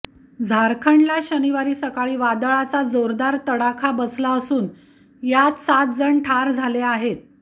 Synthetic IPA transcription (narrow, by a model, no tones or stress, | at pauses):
d͡zʱaɾkʰəɳlaɕəniʋaɾiːsəkaɭiːʋad̪əɭat͡sad͡zoɾd̪aɾt̪əɽakʰabəslaəsuːn | jat̪sat̪̚d͡zəɳʈʰaɾd͡zʱaleaɦet̪̚